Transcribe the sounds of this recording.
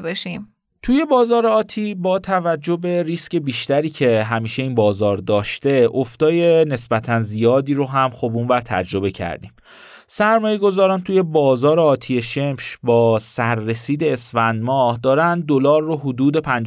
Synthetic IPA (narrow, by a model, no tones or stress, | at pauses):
beʃim | t̪ʰuje̞bɒːzɒːɾeɒːt̪ʰiːbɒːt̪ʰævæd͡ʒːo̞be̞ɾisce̞biːʃt̪æɾiːcʰe̞ɦæmiːʃe̞iːnbɒːzɒːɾd̪ɒːʃt̪e̞oft̪ɒːje̞ne̞sbæt̪ʰænzijɒːd̪iːɾoɦæmχobunvæɾt̪ʰæ̰d͡ʒɾo̞be̞cʰæ̰ɾd̪ḭːm | sæɾmɒːje̞ɡo̞zɒːɾɒːnt̪ʰuje̞bɒːzɒːɾeɒːt̪ʰije̞ʃe̞mʃbɒːsæɾːe̞siːd̪eːsfænmɒːhd̪ɒːɾænd̪̚d̪olɒːɾːoɦod̪uːd̪e̞pʰænd͡ʒ